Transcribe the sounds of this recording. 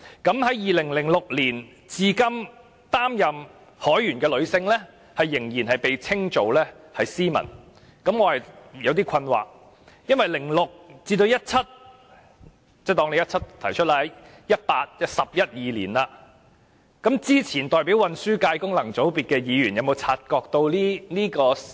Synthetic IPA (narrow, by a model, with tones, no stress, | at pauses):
kɐ˨˥mɦɐ˨˥jjiː˨lɪ˨˩ŋlɪ˨˩ŋlʊ˨k̚liː˨˩n | t͡siː˨˧kɐ˥m | t̪aː˥mjɐ˨m | hɔː˨˥jyː˨˩nkɛː˧lɵ˨˧ɥsɪ˧ŋlɛ˥ | hɐ˨jːɪ˨˩ŋjiː˨˩nhɐ˨jpe˨jt͡sʰɪ˥ŋt͡so˨˧wlɛ˥ | hɐ˨jsiː˥mɐ̰˨˩n | kɐ˨˥mŋɔː˨˧hɐ˨jjɐ˨˧wt̪̬iː˥kʰɐ˧nwa̰ː˨k̚ | jɐ˥nwɐ˨jlɪ˨˩ŋlʊ˨k̚t͡siː˧t̪o˧wjɐ˥t̚t͡sʰɐ˥t̚ | t͡sɛː˥˩t̪ɔː˥˩ŋe˨˧jɐ˥t̚t͡sʰɐ˥t̚t̪ʰɐ˨˩jt͡ʃʰɵ˥t̚laː˧˨˥ | jɐ˥t̚paː˧t̚jɐ˥sɐ˨p̚jɐ˥t̚jiː˨lḭː˨˩nlaː˧ | kɐ˨˥mt͡siː˥t͡sʰiː˨˩nt̪ɔː˨˩jpiː˨˥wɐ˨˧nsyː˥kaː˧jkʊ˥ŋlɐ˨˩ŋt͡so˨˥wpiː˨t̚kɛː˧jiː˨˧jyː˨˩njɐ˨˧wmo˨˧wt͡sʰaː˧t̚kɔː˧k̚t̪o˧wliː˥niː˥kɔː˧